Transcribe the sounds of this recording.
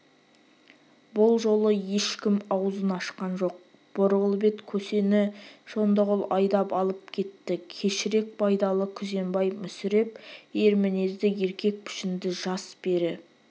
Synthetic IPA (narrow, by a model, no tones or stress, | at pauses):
bʊlˠʒo̞lˠəje̞ʃkʲɪmɑwzənɑʃqɑnʒo̞q̚ | b̥oɾʁəlˠbe̞t̪kʲʰɵse̞nɪʒ̥o̞nd̪ɑʁəlˠɑjd̪ɑpɑlˠəp̚kʲʰe̞t̪ːɪkʲʰe̞ʃɪɾe̞k̚bɑjd̪ɑlˠəkʲʰʏze̞mbɑjmʏsɪɾe̞p̚eɾmɪnezd̪ɪe̞ɾkʲe̞k̚pʰɪ̥ʃɪnd̪ɪʒɑsb̥e̞ɾɪ